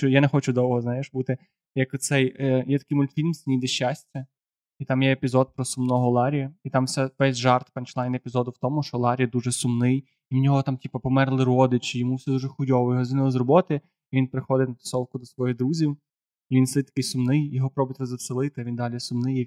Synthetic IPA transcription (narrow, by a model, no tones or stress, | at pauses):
t͡ʃɔjanɛxɔt͡ʃʊd̪ɔwɦɔznɑjeʃbut̪ɪ | jɐkʊt̪sɛjjɛt̪ɐ̥kɪjmʊlʲt̪fʲilʲmsʲinʲijd̪eʃːasʲtʲɐ | it̪ɑmjɛepʲizɔd̪̚pɾɔsʊmnɔɦɔlˠɑɾʲɪjɐit̪ɑmwsʲɛʋɛsʲʒɑrt̪pɐnt͡ʃlˠajnepʲizɔd̪ʊwt̪ɔmʊʃt͡ʃɔlˠɑɾʲijɐd̪uʒɛsʊmnɪj | imnʲɔɦɔt̪ɑmtʲipɐpɔmɛrlˠɪɾɔd̪ɪt͡ʃijɔmuwsɛd̪uʐɛxʊdʲɔʋɔjɔɦɔzʲʋʲinɪlˠɪzrɔbɔt̪ɪ | iʋʲinpɾɪxɔd̪ɪt̪ʲnɐt̪ɪ̥sɔwˠkʊd̪ɔsʋɔjid̪ɾuzʲiw | iʋʲinsˠɪt̪̚ʲɐ̥kɪjsʊmnɪjjɔɦɔpɾɔbʊt̪ʲɾɔzɐselˠɪt̪ɪɐʋʲind̪ɑlʲisʊmnɪj